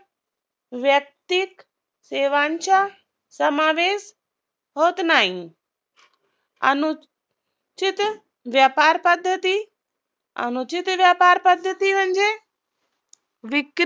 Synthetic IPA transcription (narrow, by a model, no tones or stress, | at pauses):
ʋjɐk̚t̪ik | seːʋaːnt͡ʃa | sɐmaːʋeːs | ɦoːt̪naːĩ | ɐ̰nʊ | t͡ʃɪt̪ | ʋjaːpaːɾpɐd̪ʱːət̪i | ɐ̰nut͡ʃɪt̪ʋjaːpaːɾpɐd̪ʱːət̪iʋɐ̃nd͡ʒe | ʋɪk